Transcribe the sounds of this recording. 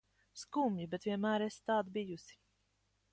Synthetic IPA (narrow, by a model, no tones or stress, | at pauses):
skumjibɛt̪viɛnmæːɾest̪aːd̪bijusi̥